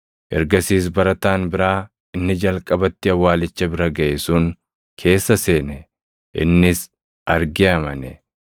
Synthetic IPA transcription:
ʔɛɾɡɐsiːs̬bɐɾɐt̪aːnbɪɾaː | ɪnːɪd͡ʒɐlkʼɐbɐt̪ːɪɐwːaːlɪt͡ʃːɐbɪɾɐɡɐʔɛsuːŋ | kʰe̞ːsːɐse̞ːnɛ | ʔɪ̰nːɪs | ʔɐɾɡɪɐmɐnɛ

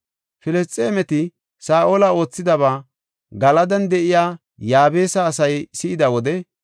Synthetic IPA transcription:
fɪlɛst͡sʼːe̞ːmɛt̪ɪ | saːʔolɐo̞ːt͡sːɪd̪ɐβaː | ɡɐlɐd̪ɐnd̪ɛʔɪjaː | jaːbe̞ːsɐːsɐjsɪʔɪd̪ɐwɔd̪ɛ

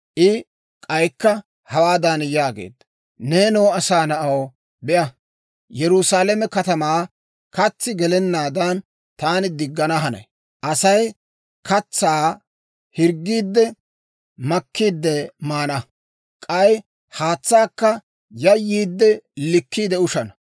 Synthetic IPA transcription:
ʔɪ | kʼɐjkːɐ | hɐwaːd̪anjaːɡḛːd̪ | neːnoːɐsaːnɐʔɐw | bɪʔɐ | jɛɾʊsaːlɛmɛkɐt̪ɐmaː | kɐt͡sːɪɡɛlɛnːaːd̪ɐn | t̪aːnɪd̪ɪɡːɐnɐɦɐnɛ̰ | ʔɐsɐj | kɐt͡sːaː | hɪɾɡːiːd̪ːɛ | mɐkːiːd̪ːɛmaːnɐ | kʼɐj | haːt͡sːaːkːɐ | jɐjːiːd̪ːɛlɪkːiːd̪ɛʊʃɐnɐ

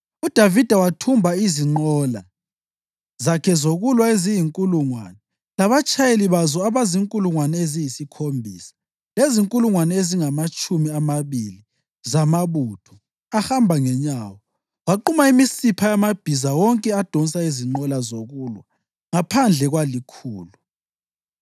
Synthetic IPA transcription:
ud̥ʱavid̥ʱawatʰumbʱaiziŋ͡ǃɔla | zakʰɛzoɣulwaezijiŋkʼuluŋwa̰ːnɛ | laβat͡ʃʰʼajeliβazɔaβaziŋkʼuluŋwanɛezijisikʰombʱḭːsḁ | leziŋkʼuluŋwanɛeziŋamat͡ʃʼumiamaβili | zamaβutʰɔ̥ | ahambʱaŋɛɲawɔ | waǃumaimisipʰajamab̥ʱizawɔŋkʼɛad̥ʱon̩saiziŋ͡ǃɔlazoɣulwa | ŋapʰand͡ɮʱɛɣwalikʰuːlu

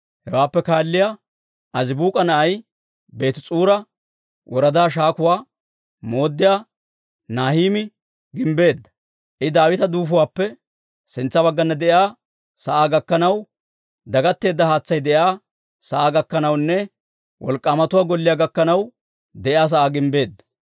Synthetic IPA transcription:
hɛwaːpːɛkaːlːɪjaː | ʔɐzɪbuːkʼɐnɐʔɐj | be̞ːt̪ɪt͡sʼuːɾɐ | wɔɾɐd̪aːʃ̬aːkʊwaː | mo̞ːd̪ːɪjaː | naːhiːmɪ | ɡɪmbe̞ːd̪ːɐ̥ | ʔɪd̪aːwɪt̪ɐd̪uːfʊwaːpːɛ | sɪnt͡sːɐbɐɡːɐnːɐd̪ɛʔjaː | sɐʔaːɡɐkːɐnɐw | d̪ɐɡɐt̪ːe̞ːd̪ːɐhaːt͡sːɐjd̪ɛʔjaː | sɐʔaːɡɐkːɐnɐwnːɛ | wʔɔ̰lkʼːaːmɐt̪ʊwaːɡɔlːɪjaːɡɐkːɐnɐw | d̪ɛʔɪaːs̬ɐʔaːɡɪmbe̞ːd̪ːɐ̥

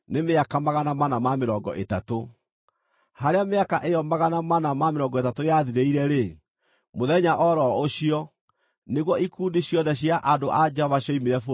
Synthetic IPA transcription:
nemeakamaɣanamanamameɾɔːɡɔ̰ʔetato | haɾeameakaʔejɔmbaɣanamanamameɾɔŋɡɔetatojaðiɾeiɾɛɾe | moðɛɲaʔɔɾɔoɕiɔ | neɣwɔikuːndeɕijɔðɛɕ̬iaʔadoʔad͡ʒɛhɔvaɕjɔimeɾɛfo

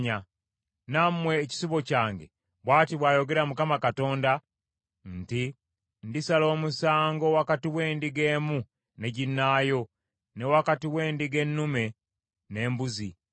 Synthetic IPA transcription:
ɲa | namwe̞ːci̥siβo̞caːŋɡḛ | βwaːtiβwaːjo̞ɡe̞ɾamukamakato̞ːnda | n̩ti | ndisalo̞ːmusaːŋɡowakatiwe̞ːndiɡe̞ːmu | ne̞ɟinːaːjo̞ | ne̞wakatiwe̞ːndiɡe̞nːume̞ | ne̞ːmbuzi

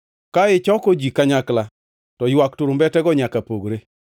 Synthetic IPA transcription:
kaɪt͡ʃɔkod͡ʒikaɲakla | tɔjwaktʊɾʊmbɛtɛɡɔɲakapoɡɾe

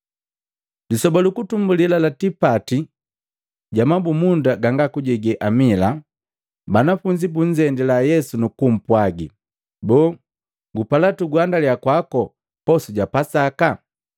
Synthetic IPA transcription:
disɔbalukutumbulilalatipati | ɟamabumundaɡaŋɡakuɟɛɡɛʔamila | banafuɲd͡ʒibuɲd͡ʒɛndɛlajɛsunukum̩pwaɡḭ | bɔː | ɡupalatuɡwandaliakwakɔ | pɔsuɟapasaka

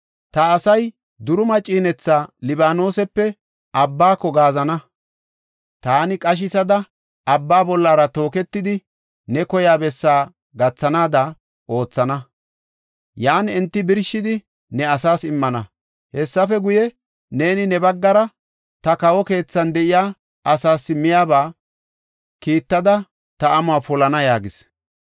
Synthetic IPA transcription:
t̪ɐːsɐj | d̪ʊɾʊmɐt͡ʃʼːiːnɛt͡sːaːlɪbaːno̞ːsɛpːɛ | ɐbːaːkːɔɡaːzɐnɐ | t̪aːnɪkʼɐʃ̬ɪsɐd̪ɐ | ɐbːaːbɔlːaːɾɐt̪o̞ːkɛt̪ːɪd̪ɪ | nɛkɔjaːbɛsːaː | ɡɐt͡sːɐnaːd̪ɐ | o̞ːt͡sːɐnɐ | jaːnɛnt̪ːɪbɪɾʃɪd̪ɪ | nɛɐsaːsɪmːɐnɐ | hɛsːɐfɛɡʊjɛ | ne̞ːnɪnɛbɐɡːɐɾɐ | t̪ɐkɐwɔke̞ːt͡sːɐnd̪ɛʔɪjaː | ʔɐsaːsːɪmɪjaːbaː | kiːt̪ːɐd̪ɐ | t̪ɐɐmʊaːpɔlɐnɐjaːɡɪs

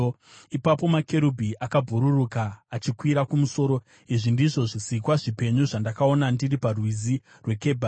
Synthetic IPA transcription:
ipapo̞makʰe̞ɾubʱiʔakabʱuɾurukaːt͡ʃikwiɾakumuso̞ːɾo̞ | iʐindiʐo̞ʐisikwaʐipe̞ɲuʐandakao̞nandiriparwizi | rwe̞ke̞bʱa

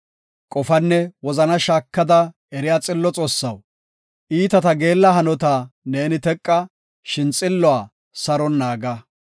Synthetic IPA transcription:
kʼɔfɐnːɛwɔzɐnɐʃaːkːɐd̪ɐ | ɛɾɪjaːt͡sʼɪlːɔt͡sʼoːsːɐw | ʔiːt̪ɐt̪ɐɡe̞ːlːɐɦɐnɔt̪ane̞ːnɪt̪ɛkʼːɐ | ʃɪnt͡sʼɪlːɔaː | sɐɾɔnːaːɡɐ

